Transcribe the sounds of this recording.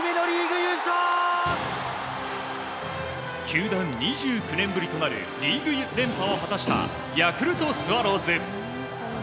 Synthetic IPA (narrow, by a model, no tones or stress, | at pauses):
menoɾʲiːɡɯjɯɕo | kʰʲɨːd̪ãɲɲiʑɨːkɯ̟nẽ̞mbɯ̟ɾʲit̪o̞naɾɯ̟̰ɾʲiːɡɯ̟d̪ẽ̞mpao̞ɦat̪aɕi̥t̪a̰ | jakɯ̟ɾɯ̟t̪o̞sɨβaɾo̞ːzẽ